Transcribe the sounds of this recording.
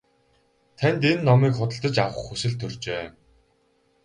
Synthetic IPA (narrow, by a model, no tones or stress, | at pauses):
t̪ʰænʲt̪enːɔmiːkχʊt̪ə̆ɬt̪ə̆t͡ɕawə̆χusɘ̆ɮt̪ʰːɵrt͡ɕeː